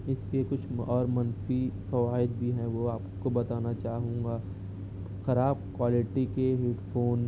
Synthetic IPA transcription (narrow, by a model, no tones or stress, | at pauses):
ɪskiekʊt͡ʃʰɔːɾmɐ̃nfifɐʋaːɪd̪̚bʱiɦɛ̃ʋoaːpkobɐt̪aːnat͡ʃaːɦũːŋɡaː | xɐɾaːbkwaːlɪʈikeɦɪʈpʰoːn